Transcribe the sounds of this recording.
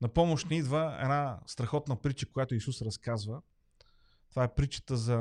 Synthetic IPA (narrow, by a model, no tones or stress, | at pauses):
nɐpɔmoʃt̪nɛid̪vəɛ̰d̪nast̪ɾɐxɔt̪nɐpɾit͡ʃəkojat̪ʊisusɾɐskazvə | t̪ovaɛpɾit͡ʃə̥t̪əzɐ